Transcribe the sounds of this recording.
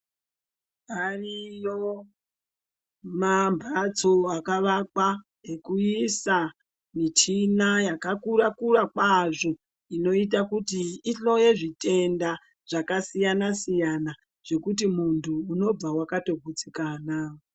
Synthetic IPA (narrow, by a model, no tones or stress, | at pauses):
arijo | mambʱat͡soakaʋakwa | ɦekuisa | mit͡ʃinajakakurakurakwaʐo̞ | ino̞it̬akutiːɬo̞je̞ʐite̞nda | ʐ̥akasijanasijana | ʐ̥e̞kut̬imuntʰuːno̞b͡vawakato̞ɡʱut͡sikaːna